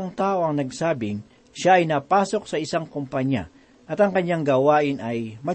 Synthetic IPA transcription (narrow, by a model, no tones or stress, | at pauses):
ŋt̪aːʔo̞ɐŋnɐɡsaːbɪŋ | ʃaɐjnɐpaːso̞k̚sɐɪsaŋkompɐɲja̰ | ʔɐt̪ɐŋkɐɲːaŋɡaːwaːʔɪnɐjmɐ